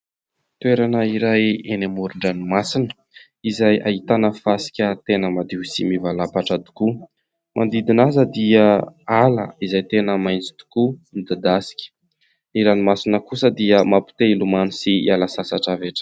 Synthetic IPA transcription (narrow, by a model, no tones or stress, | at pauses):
t̪ueɾanəiɾajenamuɾuɳɖ͡ʐanimasinə | izajʔa̰ɦit̪anəfasi̥kʲət̪enəmad̪iusḭmivalapaʈ͡ʂəd̪u̥ku | mʔand̪id̪inazəd̪iəalə̰izajt̪enəmajnt͡si̥d̪̥u̥kunid̪ad̪asi̥kʲə̥ | iɾanimasinəkusəd̪iəmapu̥t̪eilumanisiialasasaʈ͡ʂaveʈ͡ʂə̥